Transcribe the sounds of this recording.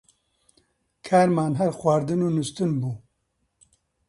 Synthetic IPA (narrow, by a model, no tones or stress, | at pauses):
kʰaːɾmaːnɦɛɾxwaːɾd̪ɨnuːnust̪ɨnbuː